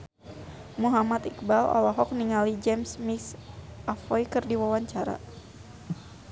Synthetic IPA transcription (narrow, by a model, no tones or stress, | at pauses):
muɦamat̪ikbalɔ̰lɔɦɔk̚niŋalid͡ʒɛmsmisʔafɔjkɨrdiwawaɲt͡ʃaɾa̰